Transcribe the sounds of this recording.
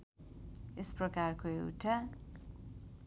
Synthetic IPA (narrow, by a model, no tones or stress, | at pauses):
esprʌkarkoewʈʰa